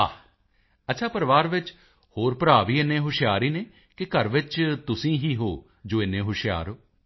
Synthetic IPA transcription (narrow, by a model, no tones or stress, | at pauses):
aː | ətːʃʰaːpəɾʋaːɾʋɪt͡ʃ | hoːɾpəɾaːʋiːɪnːẽːɦʊʃɪjaːɾiːneː | kɪkəɾʋɪt͡ʃt̪ʊsĩːɦiːɦoː | d͡ʒoːɪnːẽːɦʊʃɪja̰ːɾɦoː